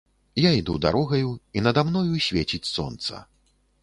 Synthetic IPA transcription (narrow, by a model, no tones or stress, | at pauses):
jaid̪ud̪a̰ɾɔɣɐjuinɐd̪amnɔjusʲvʲet͡sʲit͡sʲsɔ̰nt̪sɐ̰